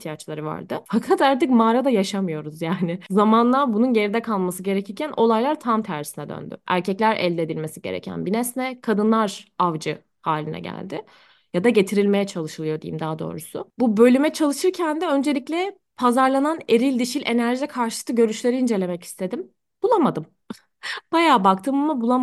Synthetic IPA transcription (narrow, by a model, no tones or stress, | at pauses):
içt̪ʰijat͡ʃlˠaɾɯva̰ɾd̪ɯfakʰat̪aɾt̪ɯkmaːɾad̪ajaʃamɯjo̞ɾuzjaːnɪzamanlˠaɾbununje̞ɾid̪ɛkʰalˠmasɯɟe̞ɾecʰiɾcʰænʔo̞lˠajlˠaɾt̪ʰamt̪ʰæɾvsinɛd̪ø̰nd̪ʏ̰ʔæ̰ɾcʰɛclʲæɾɛ̰lʲd̪ed̪ilʲme̞siɟe̞̰ɾḛcʰæ̰nbinɛsnɛkʰad̪ɯnlˠaɾavd͡ʒɯ | haːlʲinɛ̰ɟæ̰lʲd̪ɪ | jad̪aɟe̞t̪ʰiɾilʲme̞jɛt͡ʃʰalˠɯʃɯlˠɯjo̞d̪ḭjḭmd̪aːd̪o̞̰ːɾusʊ̰bubø̞lʲymɛt͡ʃʰalˠɯʃɯɾcʰænd̪ɛø̞nd͡ʒe̞lʲiclʲɛ | pʰazaɾlˠanane̞ɾilʲd̪iʃilʲʔenæɾʒɛkʰaɾʃɯ̥ɯ̥t̪ʰːɯɟø̞ɾyʃlʲe̞ɾiind͡ʒe̞lʲe̞mɛci̥st̪ʰe̞d̪im | bulˠamad̪ɯm | b̥ajaːbak̚t̪ʰɯːmmabulˠam